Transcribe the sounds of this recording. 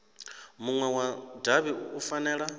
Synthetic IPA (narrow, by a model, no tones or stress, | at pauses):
muŋwɛwadaβiufanɛːɺa